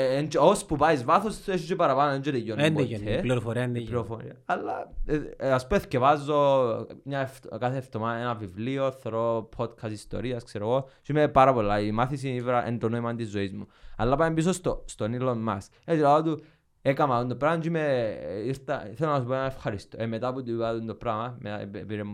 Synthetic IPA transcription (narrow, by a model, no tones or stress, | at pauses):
end͡ʒeospupaizvaθoseʃit͡ʃepɐɾapanoend͡ʒet̪ejonneliɾofoɾinliɾofoɾḭɐːlːa | aspuescevazːo̞mɲaft̪kaθeːft̪omaenɐvivlio̞θoɾopʰod̪kʰɐsist̪o̞̰ɾiɐskseɾoɣot͡ʃimepaɾɐpo̞lːaimaθisiivɾaʔend̪onoimɐnd̪izːoizmuɐlːapaembis̬ost̪ost̪onilːomːɐs | et̪ilaot̪u | ekɐmɐund̪opɾamt͡ʃimeiɾt̪ɐθelonɐsopoenanefxɐɾist̪oemet̪aput̪uipaðund̪opɾamɐmepiɾem